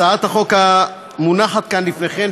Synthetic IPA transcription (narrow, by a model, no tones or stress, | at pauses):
aat̪haχoka | munaχat̪̚kanlifneχem